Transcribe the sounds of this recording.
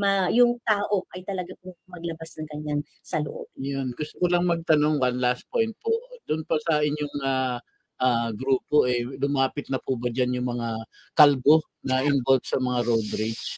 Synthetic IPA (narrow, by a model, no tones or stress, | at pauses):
mɐjʊŋt̪aːʔo̞ʔɐjt̪ɐlɐɡapʊɐmɐɡ̚lɐbasnɐŋkɐɲaŋ | sɐlʊ̰ʔo̰b̚jonɡʊst̪okolɐŋmɐɡ̚t̪ɐno̞ŋwɐnlast̪̚po̞jnt̪̚poʔd̪ʊnpɐsɐʔɪɲjoŋa | ʔaɡɾuːpo̞ʔɛlʊmaːpɪt̪̚nɐpubɐd͡ʒanjʊŋmɐŋa | kalɡo̞ | nɐʔɪnbolb̚sɐmɐŋaɾod̪ɾit͡ʃ